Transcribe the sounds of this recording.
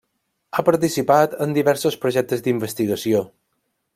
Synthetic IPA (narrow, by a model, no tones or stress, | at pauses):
apəɾt̪isipat̪ənd̪iβɛɾsospɾoʒɛk̚t̪əzd̪imbəst̪iɣəsio